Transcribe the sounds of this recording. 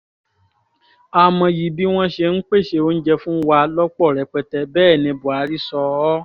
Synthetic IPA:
a˨mɔ̃˧ji˨bi˦w̃ɔ̃˦ʃe˧n̩˦k͡pe˦˨ʃe˧o˦n̩˦d͡ʒɛ˧fũ˦wa˧lɔ˦k͡pɔ˦˨ɾɛ˨k͡pɛ˧tɛ˧bɛː˦˨nĩ˧bu˨a˨˦ɾi˦sɔ˧ɔ˦

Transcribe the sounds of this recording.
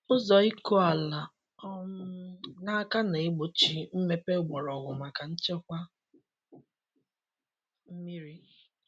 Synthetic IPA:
ʊ˦zɔ˨i˦ko˦a˨la˨ | ɔ˦mʊ˦ʊ˦na˦ka˦ne˨e˦ɡ͡bo˨t͡ʃi˨m̩˦me˦pe˦˨ɡ͡bɔ˨ɾɔ˨ɣʊ˨ma˨ka˨n̩˦t͡ʃe˦kʷa˦ | m̩˦mi˦ɾi˦

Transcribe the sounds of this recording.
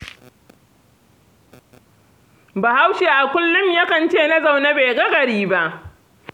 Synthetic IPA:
baː˨ha˦wʃeː˨ʔa˨kʷʊ˦lːʊ˦mjɐ˦kɐ˨nt͡ʃeː˦˨na˦za˨wna˦be˨ɡɐ˦ɡɐ˨ɽiː˦ba˦ʔ

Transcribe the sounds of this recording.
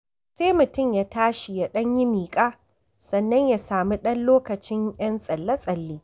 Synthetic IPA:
seː˦mʊ˨tʊ˦˨mjaː˨taː˦ʃi˨ja˨ɗɐ˦ɲji˦miː˨kʼaː˦ | sɐ˨nːɐ˦ɲja˨saː˨mu˦ɗɐ˦nloː˦kɐ˨t͡ʃɪ˦ɲjɐ˦nsʼɐ˨lːɐ˦sʼɐ˨lːiː˦

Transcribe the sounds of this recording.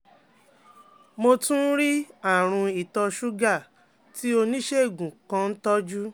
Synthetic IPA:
mo˧tũ˦n̩˦ɾi˦a˦˨ɾ̃ũ˧i˨tɔ˧ʃu˦ɡa˦˨ | ti˦o˧nĩ˦ʃe˦˨ɡũ˨kã˧n̩˦tɔ˦d͡ʒu˦

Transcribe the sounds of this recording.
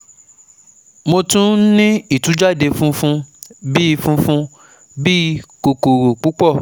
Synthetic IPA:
mo˧tũ˦nĩ˦i˦˨tũ˨˦d͡ʒa˦˨de˧fũ˦fũ˧˦bi˦i˧fũ˦fũ˧˦ | bi˦˧˦ko˧ko˨ɾo˨k͡pu˨˦k͡pɔ˦˨

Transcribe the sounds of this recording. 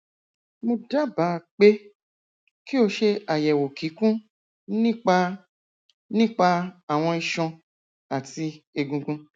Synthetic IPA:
mõ˧da˦ba˨˦˨k͡pe˦ | ki˦o˧ʃe˧a˨jɛ˨wo˨ki˨˦kũ˦ | nĩ˦k͡pa˧ | nĩ˦k͡pa˧a˦˨w̃ɔ̃˧i˧ʃɔ̃˧ | a˨ti˧e˧ɡũ˧ɡũ˧

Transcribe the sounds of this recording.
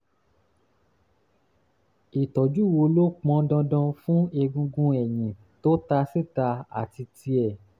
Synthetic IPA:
i˨tɔ˨d͡ʒu˦˨wo˧lo˦k͡pɔ̃˧˦dã˧dɔ̃˧fũ˦e˧ɡũ˧ɡũ˦ɛ˨j̃ĩ˨ | to˦ta˧si˦˨ta˧a̰˨ti˧ti˧ɛ˨

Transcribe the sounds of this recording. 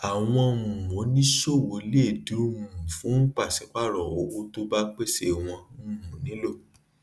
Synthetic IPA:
a˨w̃ɔ̃˧u˨mõ˨˦nĩ˦ʃo˦˨wo˨˦le˦˨du˨˦mũ˨fũ˨˦n̩˦k͡pa˦˨si˨˦k͡pa˦˨ɾɔ˨wo˨˦o˧˦to˦ba˦k͡pe˦se˧w̃ɔ̃˧˦˨mũ˨nĩ˨˦lo˦˨

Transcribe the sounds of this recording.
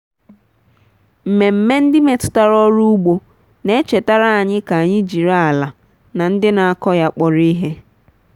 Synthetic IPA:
m̩˨me˨m̩˨me˦n̩˦dɪ˦me˨tʊ̥˦ta˦ɾɔ˦ɾu˦u˦ɡ͡bo˦ | ne˦t͡ʃe˨ta˦ɾa˦a˨ɲɪ˦ka˨a˨ɲɪ˦d͡ʒi˨ɾa˦a˨la˨ | na˨n̩˦dɪ˦na˨a˨kɔ˦ja˦k͡pɔ˨ɾi˦ɦe˦

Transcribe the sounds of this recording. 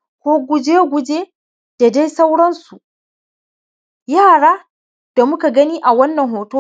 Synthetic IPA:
kʷoː˦ɡʷʊ˦d͡ʒeː˦ɡʷʊ˨d͡ʒeː˦ | d̥a˨da˦jsa˦wɽɐ˦nsu˨ | jaː˦˨ɽaː˦ | d̥a˨mʊ˦ka˨ɡɐ˦niː˦ʔa˨wɐ˦nːɐ˨ŋɦoː˨toː˦

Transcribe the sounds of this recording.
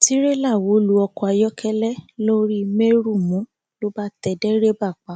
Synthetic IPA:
ti˦ɾe˦la˦˨wo˨˦lu˨˦ɔ˧kɔ˧a˧jɔ˦kʰɛ˦lɛ˦lo˦ɾi˦me˦ɾu˦˨mũ˨˦ | lo˦ba˦tɛ˧dɛ˦ɾe˦ba˦˨k͡pa˨˦

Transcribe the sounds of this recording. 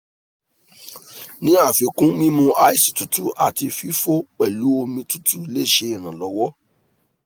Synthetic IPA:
nĩ˦a˦˨fi˨˦kũ˦mĩ˦mũ˧a˧i˦si̥˨tu˨tu˦ʔa˨ti˧fi˦fo˦k͡pɛ˨lu˨˦o˧mĩ˧tu˨˦tu˦i˧le˦˨ʃe˧i˨ɾ̃ã˨lɔ˨˦wɔ˦

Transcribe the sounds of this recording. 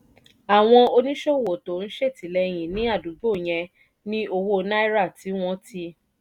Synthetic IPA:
a˨w̃ɔ̃˧o˧nĩ˦ʃo˦˨wo˨to˨n̩˦ʃe˦˨ti˨˦lɛ˧j̃ĩ˨nĩ˨˦a˦˨du˨˦ɡ͡bo˦˨j̃ɛ̃˧ | nĩ˦o˧wo˦˧na˦i˦ɾa˦˨ti˨˦w̃ɔ̃˧˦ti˧˦

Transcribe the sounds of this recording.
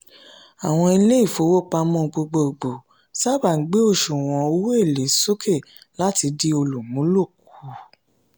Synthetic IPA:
a˨w̃ɔ̃˧i˧le˦i˦˨fo˨˦wo˦k͡pa˧mɔ̃˦˧ɡ͡bo˧ɡ͡bo˧o˨ɡ͡bo˨ | sa˦˨ba˨ŋ̩˨˦ɡ͡be˦o˦˨ʃu˨w̃ɔ̃˨o˧wo˦e˦˨le˨˦so˦kʰe˦˨ | la˦ti˧di˦o˧lu˨mũ˨˦lo˦˨k̚u˨˦

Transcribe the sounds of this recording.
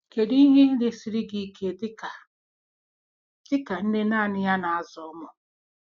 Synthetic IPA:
ke˨di˦i˦ɲe˦dɪ˦si˦ɾɪ˦ɡi˦kʰe˦˨dɪ˦ka˨ | tɪ˦ka˨n̩˦dɪ˦naː˦˨nɪ˦ja˦na˨a˨zɔ˨ɔ˦mɔ˨

